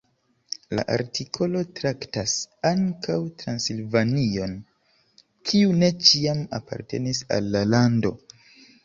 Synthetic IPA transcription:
la̰ʔaɾtʰikʰo̞lo̞tɾaktasaŋkawtɾansilvanio̞n | kʰiune̞t͡ʃiama̰pa̰ɾte̞̰nisa̰lːalando̞̰

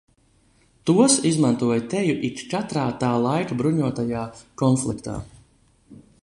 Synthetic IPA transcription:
t̪uɔsizmant̪uɔjt̪ɛjuʔik̪ːat̪ɾaːt̪aːlˠajkabɾuɲuɔt̪ajaːkɔnflˠikt̪a̰ː

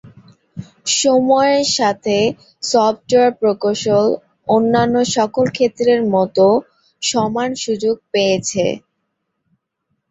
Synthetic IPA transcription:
ʃɔmɔeeɾʃat̪ʰe | sɔfʈoaɾpɾokoʃol | onːanːoʃɔkolkʰet̪ːɾeɾmɔt̪o | ʃɔmanʃud͡ʑoɡ̚pejet͡ɕʰḛ

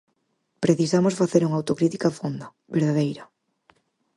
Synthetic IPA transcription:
pɾeθisamosfaθeɾuŋawt̪okɾit̪i̥kafond̪a | beɾðaðejɾɐ

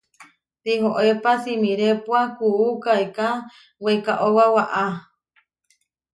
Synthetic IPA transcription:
t̪iɦoʔepasimiɾepwakuukaeka | wekaʔowawaʔa

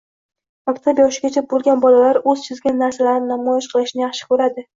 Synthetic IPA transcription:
makʲt̪ʰapjɒʃɪɡʲat͡ʃʰabolˠɡʲanbɒlalaɾɵz̥t͡ʃʰɪzɡʲanːaɾsalaɾnɪnamɒjɪʃqʰɨlˠɪʃnɪjaχʃɪ̥kʰɵɾad̪ɪ

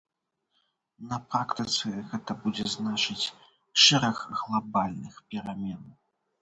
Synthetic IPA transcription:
nɐpɾakt̪ɨt̪sɨɣɛt̪ɐbud͡zʲɛznat͡ʂɨt͡sʲ | ʂɛɾɐɣɣlˠabalʲnɨxpʲɛɾamʲɛnɐw

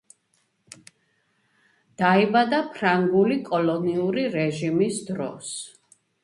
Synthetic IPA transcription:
d̪̥aibad̪apʰɾaŋɡulikʼɔlɔniuɾiɾɛʒimisd̪ɾɔ̰s

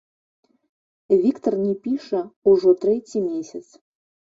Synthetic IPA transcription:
vʲikt̪ɐrnʲɛpʲiʂɐuʐɔt̪ɾɛt͡sʲimʲesʲɐt̪s

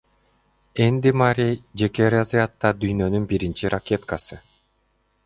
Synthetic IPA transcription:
end̪imaɾʲejd͡ʒekeɾɑzijat̪ːɑd̪yjnønynbiɾint͡ʃiɾakʲe̞t̪kasɯ

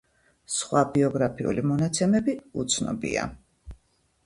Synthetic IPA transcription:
sχwabiɔɡɾapʰiṵlimɔnat̪sʰɛmɛbiut̪sʰnɔ̰bḭa̰

